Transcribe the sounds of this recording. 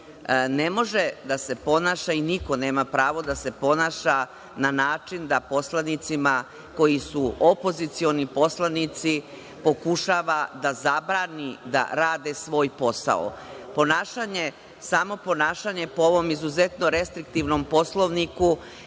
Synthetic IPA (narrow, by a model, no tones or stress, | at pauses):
ne̞mo̞ʒed̪ase̞po̞naːʃainiko̞ne̞ːmapɾaːʋo̞d̪ase̞po̞naːʃa | nanaːt͡ʂind̪apo̞slˠanit̪sima | ko̞jisuopo̞zit̪sio̞nipo̞slanit̪si | po̞kuʃaʋad̪azabɾaːnid̪a̰ɾaːd̪e̞sʋo̞ːjpo̞sa̰o̰po̞naːʃaɲe̞ | samo̞po̞naːʃaɲe̞pooʋo̞mizuze̞t̪no̞ɾe̞st̪ɾik̚t̪iʋnompo̞slˠo̞ʋniku